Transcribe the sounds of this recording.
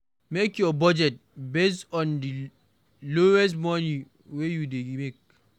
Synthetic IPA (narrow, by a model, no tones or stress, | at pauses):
mekjɔbɔd͡ʒɛt̚bes̬ɔ̃ndi | lowɛs̬mɔni | wejudeɡimek̚